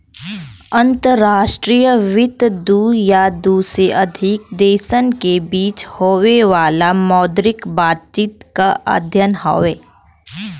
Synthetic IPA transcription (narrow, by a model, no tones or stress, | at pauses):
ə̃nt̪əɾːaːʃʈɾiːjəʋɪt̪d̪uːjad̪uːsɾeʔɐd̪ʱɪk̚d̪eːʃənkebiːt͡ʃhoːʋeʋaːlamɔːd̪ɾɪkbaːt̪̚t͡ʃiːt̪kaʔə̰d̪ʱjənɦo̰ʋeː